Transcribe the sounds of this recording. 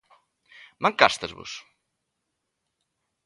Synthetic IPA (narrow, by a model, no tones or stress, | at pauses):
maŋkast̪ɐzβʊ̰s